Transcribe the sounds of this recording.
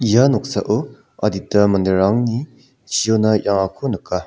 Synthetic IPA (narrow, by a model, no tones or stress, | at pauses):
ijanok̚saʔo | ɐditɐmɐndəɾaŋni | t͡ʃijonɐjaŋakʰonɯkːa